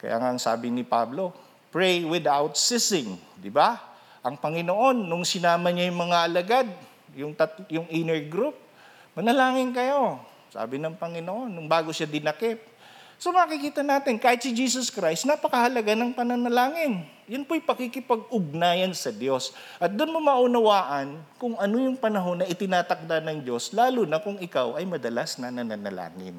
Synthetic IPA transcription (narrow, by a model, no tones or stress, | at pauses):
kɐ̰ja̰ːŋaɐŋsa̰ːbɪnɪpa̰blo̞ | pɹɛjwɪd̪awt̪̚sɪsɪŋd̪ɪba | ʔɐŋpɐŋɪnoʔo̞nːʊŋsɪnaːmɐɲajʊŋmɐŋaʔɐlɐɡad̪̚ | jʊŋt̪ɐt̪jʊŋɪnɛɹɡɾup̚ | pɐnɐlaːŋɪnkɐjo̞ | sa̰ːbɪnɐŋpɐŋɪnoʔo̞nːʊŋbaːɡo̞ʃad̪ɪnɐkɪp̚ | so̞mɐɐkɪkiːt̪ɐnaːt̪ɪnkaːhɪt̪sɪd͡ʒiːsoskɾajst̪nɐpɐkɐhɐlɐɡanɐŋpɐnɐnɐlaːŋɪn | jʊnpojpɐkɪkɪpɐɡ̚ʊɡ̚naːjɐnsɐd̪jo̞s | ʔɐt̪̚d̪ʊnmomɐʔʊnɐwaːʔɐnkʊŋɐno̞jʊŋpɐnɐɦo̞nːɐʔɪt̪ɪnaːt̪ɐk̚d̪anɐŋd͡ʒo̞slaːlunɐkʊŋɪkawɐjmɐd̪ɐlasnɐnɐnɐnɐ̰la̰ːŋɪ̰n